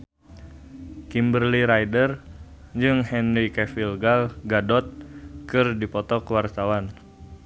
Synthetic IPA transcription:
kimbərliɾajdər | d͡ʒɨŋhɛnrikɛfilɡalɡadɔt̪̚kɨrdipɔt̪ɔkəwart̪awan

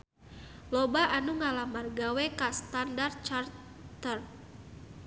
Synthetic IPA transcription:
lɔbaʔanuŋalamarɡawɛkast̪andart̪̚t͡ʃar | t̪ər

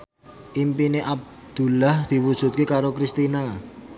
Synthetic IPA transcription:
ʔimpineʔab̚d̪̥ṳlahd̪̥i̤wud̥ʒ̥ṳt̪̚kekaɾokɾist̪ina

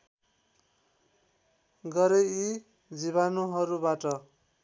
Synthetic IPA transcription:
ɡʌɾei | d͡ziβanuɦʌɾubaʈʌ

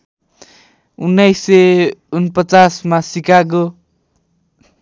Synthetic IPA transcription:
unːʌjseunpʌt͡sasmasikaɡo

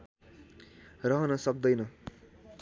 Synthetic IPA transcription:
rʌɦʌnʌsʌk̚d̪ʌjnʌ

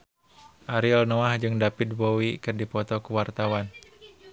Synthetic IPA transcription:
ʔaɾiɔlnɔahd͡ʒɨŋdapid̪̚bowikɨrdipɔt̪ɔkuwart̪awan

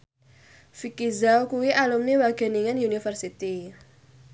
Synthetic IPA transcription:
fikizawkuwiʔalumniwaɡ̥ɛ̤niŋənunifərsit̪i

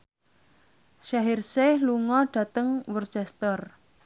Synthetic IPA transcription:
ʃaɦirsehluŋɔɖ̥ä̤t̪əŋwərt͡ʃɛst̪ər

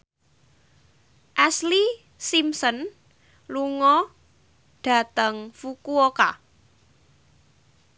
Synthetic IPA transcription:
ʔɛsli | simsɔn | luŋɔ | ɖ̥a̤t̪əŋfukuoka

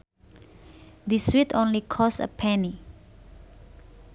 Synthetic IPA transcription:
d̪iswit̪ʰõnlikʰɔsə̰pʰɛni

